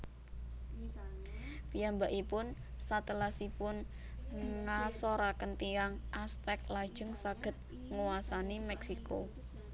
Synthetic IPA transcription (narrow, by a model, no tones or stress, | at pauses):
pijambaʔipʊn | sat̪əlasipʊn | ŋasoɾakənt̪iaŋʔast̪ɛk̚lad̥ʒ̥ə̤ŋsaɡ̥ə̤t̪̚ | ŋuwasanimɛksiko